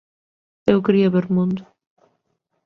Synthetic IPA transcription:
ewkɾiɐβeɾmũnd̪ʊ

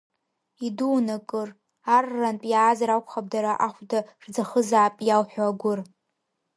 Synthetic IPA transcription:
iduwnakʼɨr | arːanpʼjaːzaɾakʷʰʼχab̚daɾaʔaχʷdaʂd͡zaχəzaːpʼjawħʷᶣaaɡʷʊr

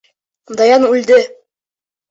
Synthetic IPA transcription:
d̪ɑjɑnʉld̪ɘ

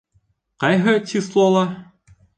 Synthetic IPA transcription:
qɑjɦɤt̪ʲislˠolˠɑ

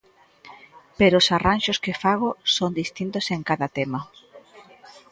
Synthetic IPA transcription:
peɾoʊsaranʃoskɪfaɣ̞osond̪ist̪int̪oseŋkaðɐt̪emɐ

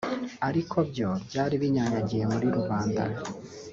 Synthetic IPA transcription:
aɾikʰo̞bjo̞bjaːɾiβiɲaɲaɟijemuɾiɾuβaːnda̰

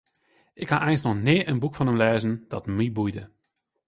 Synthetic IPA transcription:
ʔɪkhaʔɛjnsnɔxnɪːʔənbukfɑnəmleːzənd̥ɑtmibujdə

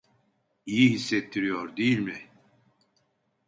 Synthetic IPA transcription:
ijiɦisːɛt̪ʰːiɾijoɾd̪ejilʲmɪ

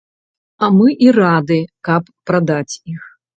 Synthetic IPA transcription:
ɐmɨʔirad̪ɨkɐpːɾad̪at͡sʲix

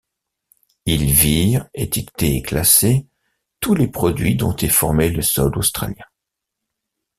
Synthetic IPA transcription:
ilviʁet̪ikt̪eeklase | t̪ulepχɔd̪ɥid̪ɔ̰̃t̪ɛfɔʁmeləsɔlost̪χa̰ljɛ̃

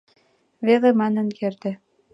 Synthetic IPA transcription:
βeðĕmɑnə̆nkert̪ɘ̆

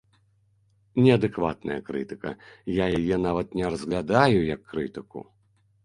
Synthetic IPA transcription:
nʲɛɐd̪ɨkva̰t̪nɐ̰jɐ̰kɾɨt̪ɨkɐ̰jajajɛnavɐt̪nʲɛrɐzɣlʲad̪ajujɐkːɾɨt̪ɨkṵ

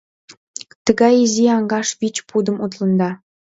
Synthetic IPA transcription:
t̪əɣɑjiziɑŋɡɑʃβit͡ɕpud̪əmut̪̬lə̆nd̪ɑ

